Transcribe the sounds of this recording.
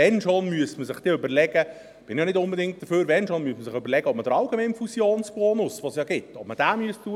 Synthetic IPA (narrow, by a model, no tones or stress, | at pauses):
ɛnʃonmyəsməsɪχd̥iːøbəɾlɛɡə | b̥ɪnɪjɑnɪtdʊnbedɪŋt̚d̥̪əføːɾʋɛnʃonmyəsməsɪχʏbəɾlɛɡ̥əɔpmədəɾɑlɡemɛɪnfusjoːnsb̥ɔːnʊsʋosjɑɡɪtːɔp̚məd̥æːmyəstuə